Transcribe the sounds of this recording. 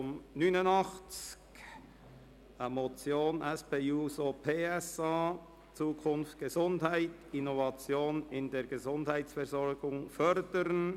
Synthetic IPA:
t͡sʊmnyːnʊnɑχt͡sk | amot͡sjoːnʔɛspeːuːsopʰeːɛsaː | t͡suːkʰʊnftɡ̥əzʊndhaɪtɪnovɑt͡sjoːnɪndeːɾɡəzʊndhaɪtsfɛɾzɔɾɡʊŋfœɾd̥əɾən

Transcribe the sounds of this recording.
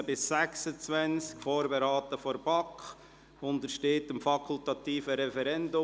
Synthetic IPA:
bɪsːæksət͡svɛnt͡skfoːɾbeɾɑːt̪əfɔɾb̥ɑkχ | ʊnd̪əɾʃteːtəmfɑkʰʊltɑt̪iːfəɾɛfɛɾɛndʊ

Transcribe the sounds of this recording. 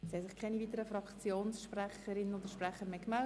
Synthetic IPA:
shɛsɪχkʰɛɪniviːt̪əɾəfɾɑkt͡sjoːnsʃprɛχəɾɪnnodəɾʃprɛχəɾmeːkmɛl

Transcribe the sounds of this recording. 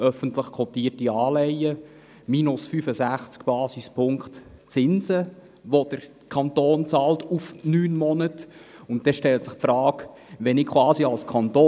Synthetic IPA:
œfəntləχkʰɔt̪iːtiɑːlɛjə | miːnʊsfyfəsæχt͡skb̥ɑːsispʰʊŋktt͡sɪnzə | ʋod̥əɾ | kʰɑntoːnt͡sɑːltʰufnyːnmɔnətʊntdɛʃtɛltsɪχpfɾɑːk | ʋɛnɪkʰwɑːsiɑlskʰɑntoː

